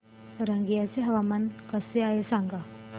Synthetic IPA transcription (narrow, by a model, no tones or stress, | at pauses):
ɾaŋɡijaseɦɐʋamankɐseajesaŋɡa